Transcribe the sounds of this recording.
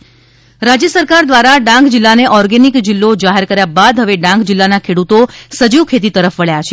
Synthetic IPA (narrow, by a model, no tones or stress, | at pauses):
ɾad͡ʒjəsəɾkaɾd̪ʋaɾaɖãŋkd͡ʒilːaneʔɔɾɡenikd͡ʒilːod͡ʒaɦeɾkəɾjabad̪ɦəʋeɖãŋkd͡ʒilːanakʰeɽut̪osəd͡ʒiwkʰet̪̬it̪əɾəfʋəɭjat͡ʃʰe